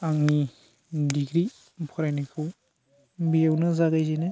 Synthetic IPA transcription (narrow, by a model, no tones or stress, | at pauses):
aŋni | diɡɾi | pʰɔɾajnikʰɯw | bijawnɯzaɡajzenɯ